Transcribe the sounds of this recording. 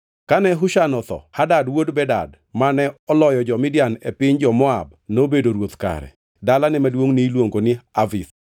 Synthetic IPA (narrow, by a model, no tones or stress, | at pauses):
kanɛɦʊʃanɔt̪ɔ̰hadadwodbɛda̰d | manɛɔlɔjɔd͡ʒɔmɪdjanepɪɲd͡ʒɔmɔa̰b̚ | nobedoɾwot̪ka̰ɾɛ̰ | dalanɛmalwoŋnilwoŋɡonɪavit